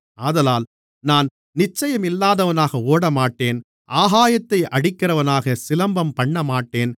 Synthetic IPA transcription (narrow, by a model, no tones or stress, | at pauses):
aːðɐlaːl | naːn | nɪt͡ʃːɐjɐmɪlːaːðɐʋɐnaːɣɐoːɽɐmaːʈːeːn | ʔaːɦaːjɐt̪ːɐɪʔɐɽɪkːɪrɐʋɐnaːɣɐsɪlɐmbɐmpɐɳːɐmaːʈːeːn